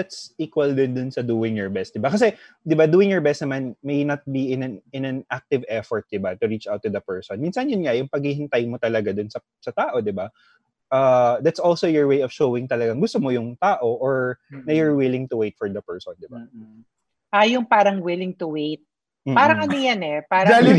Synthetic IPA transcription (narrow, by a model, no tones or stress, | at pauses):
d̪at̪sʔiːkwɐld̪ɪnd̪ʊnsɐd̪uːɪŋjɔɹbɛst̪̚d̪ɪbakɐsɛd̪ɪbad̪uːɪ̃ŋjɔɹbɛst̪nɐmanmejnɐt̪̚biɪnɐnɪnɐnʔak̚t̪ɪvɛfɔɹt̪̚d̪ɪbat̪ʊɹit͡ʃʔawt̪ːʊd̪ɐpɛɹsɔnmiːnsɐnjʊnŋajʊŋpɐɡ̚hɪhɪnt̪ajmot̪ɐlɐɡad̪ʊnsɐ | sɐt̪aːʔo̞d̪ɪba | ʔɐd̪at̪solsowjɔɹwejɔv̥ʃowɪŋt̪ɐlɐɡaŋɡʊst̪omojʊŋt̪aːʔo̞ʔoɹnɐjɔɹwɪlɪŋt̪ʊwejt̪̚fɔɹd̪ɐpɛɹsɔnd̪ɪba | ʔajʊŋpaːɾɐŋwɪlɪŋt̪ʊwejt̪̩̚ː | paːɾɐŋʔɐnojanɛpaːɾɐal